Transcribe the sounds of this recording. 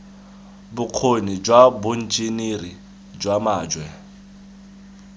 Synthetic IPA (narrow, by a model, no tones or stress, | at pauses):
bʊq͡χʰonid͡ʒwabʊn̩d͡ʒiniri | d͡ʒwamaːd͡ʒwɛ